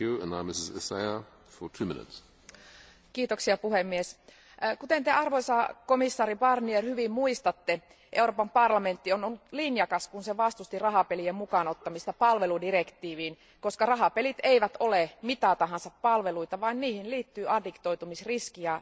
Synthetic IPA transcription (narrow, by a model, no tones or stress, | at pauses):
ʉə̃nãɪ̃mɪsɪzɪ̰seɪə | fətʰʉːmɪ̰̃nɪ̰ts | kiːt̪oksiɑpuɦemːies | kut̪ent̪eɑrʋoisɑkomisːɑːɾibɑrnierhyʋimmuist̪ɑt̪ːe | ʔeuroːpɑmpɑrlɑment̪ːionolːut̪linjɑkɑskunseʋɑst̪ust̪irɑɦɑpeliemmukɑnot̪ːɑmist̪ɑpɑlʋeludirekt̪iːʋiːn | ko̞skɑrɑɦɑpelit̪eiʋæt̪olemit̪ɑt̪ɑɦɑnsɑppɑlʋeluit̪ɑʋɑinniːhinliːt̪ːyːʔɑdikt̪o̞it̪umisriskiæ